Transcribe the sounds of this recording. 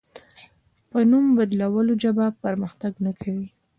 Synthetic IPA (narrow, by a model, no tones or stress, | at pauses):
pənumbad̪lawəlod͡ʒabapəɾməxt̪aɡnakʰawi